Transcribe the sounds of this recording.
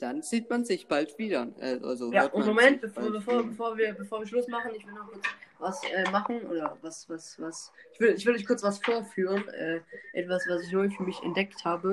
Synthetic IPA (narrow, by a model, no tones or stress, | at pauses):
d̥anziːtmanzɪçb̥altv̥iːdɐʔa̰a̰zojaːʊntmomɛnt̚b̥əfoːɐbəfoːɐbəfoːɐviːɐbəfoːɐviːɐʃlʊsmaχn̩ɪçv̥ɪldənɔχkʰʊɐt͡svasʔɛːmaχn̩ʔo̰ːdɐvasvasvasʔɪçv̥ʏdəɪçv̥ɪldɔçkʰʊɐt͡sv̥asfoːɐfyːʁ̞ənʔɛ̰ːʔɛ̰tv̥asv̥asɪçnoəfyːɐmɪçɛ̰ntd̥ɛkthaːbə